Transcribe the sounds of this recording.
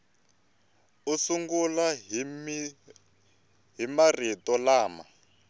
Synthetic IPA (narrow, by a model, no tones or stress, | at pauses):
usuŋɡula | ɦimaritɔlaːma̰